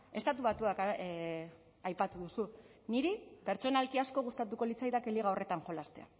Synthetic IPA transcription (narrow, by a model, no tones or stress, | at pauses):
e̞st̪at̪uβat̪uak | ajpat̪uðusuniɾipe̞ɾt͡ʃo̞nalkiasko̞ɣ̞ust̪at̪uko̞lit͡sajðakeliɣ̞ao̞re̞t̪aŋxo̞last̪ea̰